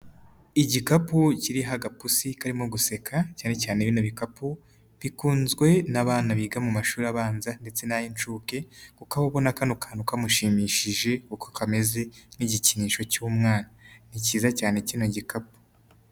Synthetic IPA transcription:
iɟikapuciɾiɦaɡapusikaɾimo̞ɡuse̞kʰacaːne̞caːneβinoβikapu | βikuːnzɡwe̞naβaːnaβiːɡamumaʃuːɾaβaːnzande̞t͡se̞najint͡ʃuke̞kukaβaβonakanukʰḁnukamuʃiːmiːʃiʒe̞kukokame̞ze̞niɟiciɲiːʃo̞cuːmŋaːnaniciːzacaːnecinoɟikapu̥

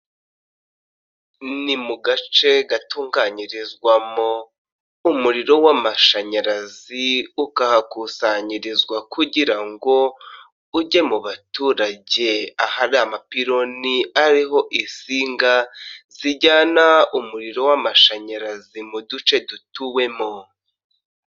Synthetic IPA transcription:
nimuɡat͡ʃe̞ɡatuːŋɡaɲiɾizɡwamo̞ | umuɾiɾo̞wamaʃaɲaɾaziukahakusaɲiɾizɡwakuɟiɾaŋɡo̞ | uɟe̞muβatuːɾaɟe̞ahaɾiamapiɾo̞niaɾiɦo̞ʔisiːŋɡaz̥iɟaːnaumuɾiɾo̞wamaʃaɲaɾazimudut͡ʃe̞dutuwe̞mo

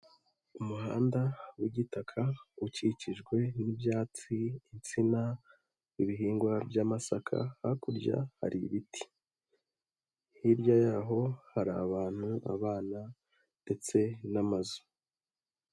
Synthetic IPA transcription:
umuɦa̰ːndawiɟitakʰauciciʒɡwe̞nibjaːt͡siːt͡sina | iβiɦiːŋɡwabjamasakʰa̰hakuɾɟa̰ha̰ɾiβitʰi̥ | hiɾjajaɦo̞haɾaβaːn̥hua̰βaːna | nde̞t͡se̞namazu̥

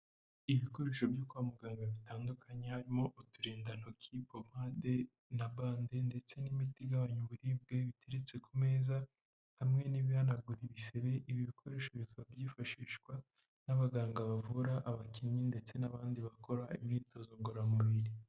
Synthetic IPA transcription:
iβiko̞ɾe̞ːʃo̞bjokuamuɡaːŋɡaβitaːndukʰaɲe̞haɾimo̞ʔutuɾiːndan̥okʰiːpomade̞ | naβaːndende̞t͡se̞nimitiɡaβaɲuβuɾib̚ɡe̞βitʰe̞ɾet͡se̞kume̞ːza | hamŋe̞niβihanaɡuɾiβiseβe̞ʔiβiβikʰo̞ɾe̞ːʃo̞βikabjiːfaʃiːʃkwa | naβaɡaːŋɡaβavuɾaʔːβaciɲɲinde̞t͡se̞naβaːndiβako̞ɾaimɲiːto̞zoŋɡoɾamuβiɾi

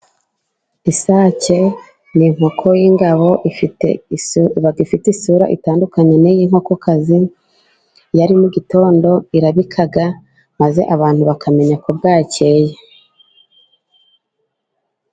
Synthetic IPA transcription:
isaːce̞ | niŋho̞kʰo̞jiŋɡaβo̞ʔifitḛβaɡifitisuɾa̰ʔḭtaːndukaɲe̞nejiŋ̥ho̞ko̞kʰazi | jaɾimuɟito̞ːndo̞iɾaβikʰaɡa | maze̞ʔaβaːn̥huβakʰame̞ɲakubɡaːce̞je

